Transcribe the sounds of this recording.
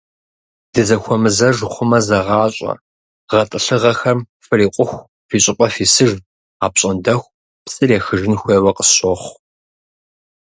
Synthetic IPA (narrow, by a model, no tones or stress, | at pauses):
d̥ɨzɐxʷɔmɨzɐʒχʷʊmɐzɐʁɑːɕʼɐ̰ | ʁɐtʼɨɬɨʁɐxɐm | fɨriːqʷʼʊxʷ | fiːɕʼɪpʼɐfiːsɨʒ | aːpɕʼɐndɐxʷ | psʼɨreːxɨʒɪnxʷeːwɐqə̥ɕoχʷ